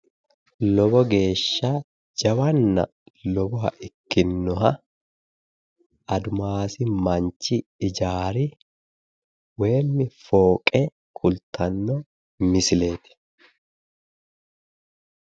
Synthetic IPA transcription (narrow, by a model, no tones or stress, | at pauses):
lɔbɔɡe̞ːʃːa | d͡ʒɐwɐnːɐ̰ | lɔbɔhɐ̰ʔɪkːɪnːɔɦɐ | ɐd̪ʊmaːsɪmɐɲt͡ʃːɪɪd͡ʒaːɾɪ | we̞ːmːɪfoːkʼɛ | kʰʼʊlt̪ʰɐnːɔ | mɪsɪle̞ːt̪ɪ̥